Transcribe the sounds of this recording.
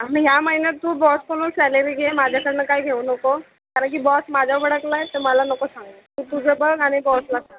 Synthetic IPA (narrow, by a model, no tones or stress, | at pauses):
aɽ̃iɦjaməɦinjət̪ːuːbɔskoñusɛləɾiːɡʱemad͡ʑʱjakəɾɳəkaiɡʱeunəko | kaɾəɳk̬ibɔsmad͡ʑʱaʋəɽəklaɦet̪eməlanəkosãŋɡət̪ut̪ud͡zʱebəɡaɽ̃ibɔslaɡ̚a